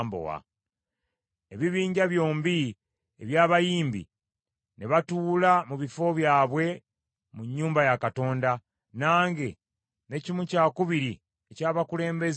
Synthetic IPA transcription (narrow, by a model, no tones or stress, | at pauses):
mbo̰wa̰ | e̞βiβiːɲɟaβjo̞ːmbi | eβjaːβajiːmbḭ | neβatuːlamuβifo̞βjaːβwe̞ | muɲːuːmbajakato̞ːnda | naːŋɡe̞ | ne̞cimucaːkuβiɾi | ecaːβakule̞ːmbe̞z